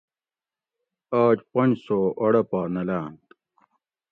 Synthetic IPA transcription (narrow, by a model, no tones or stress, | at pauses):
aːt͡ɕpɐnd͡ʑsoːʔɐɽɐpaːnɐlaːnt̪